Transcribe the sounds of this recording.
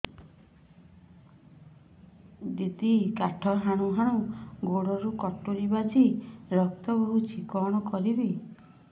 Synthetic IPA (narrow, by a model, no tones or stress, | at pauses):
d̪it̪ikaʈʰɔɦaɽ̃uɦaɽ̃uɡoɽɔɾukɔʈoɾibad͡ʒiɾɔk̚t̪ɔbɔɦut͡ʃʰikɔɽ̃ɔkɔɾibi